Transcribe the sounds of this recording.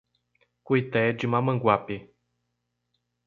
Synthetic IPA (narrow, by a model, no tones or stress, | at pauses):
kujt̪ɛd͡ʒimaməŋɡwapi